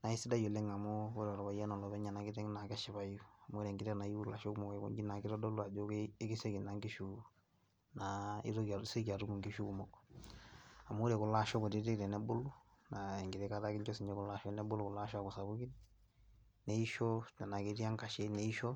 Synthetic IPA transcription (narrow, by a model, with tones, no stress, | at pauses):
na˨i˦si˦da˦jo˨lɛ˦ŋa˨mɔ˦u˦ɾɛ˨ɔ˨ɾɔ˨βa˨ja˦nɔ˨lɔ˨βɛ˦ɲa˨na˨ki˦tɛ˦ŋ˦na˨kɛ˦ʃi˦βa˨ju˦a˨mɔ˦ɾɛ˨ŋɡiɾɛ˦na˨i˦u˦la˨ʃɔ˦ku˦mɔ˨kɔ˨˦kṵ˦ɡi˦na˨ki˦ɾɔ˦dɔ˦lu˦a˨d͡ʒo˦keː˦ki˦se˦ki˨na˨ŋɡi˦ʃu˨ | na˨ḭ˦ɾo˦˨˦se˦ki˨a˨tu˦mu˨ŋɡi˦ʃu˦ku˨mɔ˨kɔ | a˨mu˦u˦ɾe˨ku˨la˦ʃɔ˦kɔ˨ti˦de˦ɾɛ˨nɛ˦bu˦lu˦ | na˨ɛ˨ŋɡi˨ɾɛ˦ka˦ta˦ki˦ɲt͡ʃɔ˦si˨ɲd͡ʒɛ˦ku˨la˨ʃɔ˦nɛ˦bu˦lu˦ku˨la˦ʃɔ˦a˨ku˨sa˨βu˦ki˦n | ne˨i˦ʃɔ˦nɛ˨na˨ke˦ɾi˦a˦ŋka˨ʃe˦ne˨i˦ʃɔ˦